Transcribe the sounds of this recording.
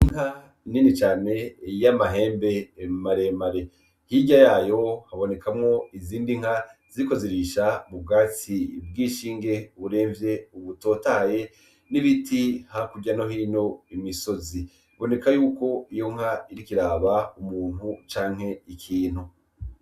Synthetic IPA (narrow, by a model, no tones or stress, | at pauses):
iŋ̥ha | ninit͡ʃaːne̞jamaɦe̞ːmbe̞ːmaɾe̞maɾe̞ | hiɟajaːjo̞haβo̞ne̞kʰamŋo̞iziːndiŋ̥haz̥iɾiko̞ziɾiʃaβuɡaːt͡sib̚ɡiːʃiːŋɡe̞uβuɾe̞ːɱvje̞uβuto̞ːtaje̞ | niβitihakuɟano̞ɦino̞imiso̞zi | βo̞ne̞kajuːko̞ijo̞ŋ̥haiɾikiɾaːβaumuːn̥hut͡ʃaːŋ̥he̞ikʰiːn̥hu